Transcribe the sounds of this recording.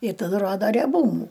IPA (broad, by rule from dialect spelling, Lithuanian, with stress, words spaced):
ɪ tɐˈdʊ ˈroːdɐ rʲɛˈbuːmuː